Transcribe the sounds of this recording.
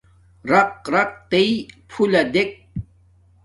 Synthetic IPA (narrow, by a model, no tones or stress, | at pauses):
ɾɐq̚ɾɐq̚t̪eipʰulɐd̪ek̚